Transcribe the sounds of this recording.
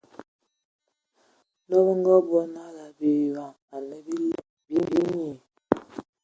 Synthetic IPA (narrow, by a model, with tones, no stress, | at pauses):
nɔ˦bə˦ŋ˦ɡɔ˦bɔ˦na˦la˨bi˨jwa˨ŋ | a˨nə˦ | bi˦mbi˨˦ɲi˨